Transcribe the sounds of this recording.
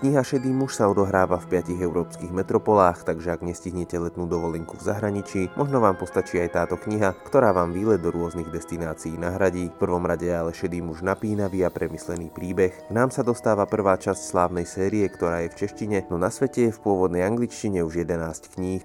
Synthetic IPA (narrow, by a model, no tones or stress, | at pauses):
kɲiɦaʃɛd̪iːmuʃsaɔd̪ɔɦɾaːʋafpɪaciɣɛʊɾɔːpskiːɣmɛt̪ɾɔpɔlaːxt̪aɡʒɛaɡɲɛsciɦɲɛcɛlɛt̪nuːd̪ɔʋɔlɛŋkuvzaɦɾaɲit͡ʃiːmɔʒnɔʋaːmpɔst̪at͡ʃiːajt̪aːt̪ɔkɲiɦakt̪ɔɾaːʋaːmʋiːlɛd̪ɔɾʊɔzniɣd̪ɛst̪inaːt͡siiːnaɦɾaɟiːfpr̩ʋɔmɾaɟɛalɛʃɛd̪iːmuʒnapiːnaʋiːapɾɛmislɛniːpɾiːbɛxɡnaːmsad̪ɔst̪aːʋapr̩ʋaːt͡ʃascslaːʊnɛjsɛːɾiɛkt̪ɔɾaːjɛft͡ʃɛʃciɲɛnɔnasʋɛcɛjɛfpʊɔʋɔd̪nɛjaŋɡlit͡ʃciɲɛuʒjɛd̪ɛnaːsckɲiːx